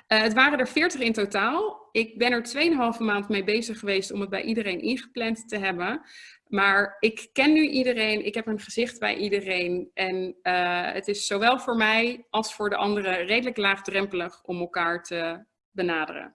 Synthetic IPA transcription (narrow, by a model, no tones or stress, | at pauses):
əətʋaːrəndəɹfɪːɹtəχɪntotaːlˠɪk̚bɛnɛɹtʋejənɦɑlˠvəmaːntmejbejzəχəʋejstɔməd̚bɛ̰jʔidərejnʔɪnχə̥plɛntːəɦɛbənmaːɹɪkːɛnːyʔidərejnʔɪ̰kɦɛpənχəzɪχtbɛ̰jʔidərejnʔɛn | ə̰tɪsːowʋɛlˠvʊːɹmɛjɑlˠsfʊːɹdəʔɑndərərejdələklaːχdrɛmpələχɔmɛlˠkaːɹtə | bənaːdə̰rə̰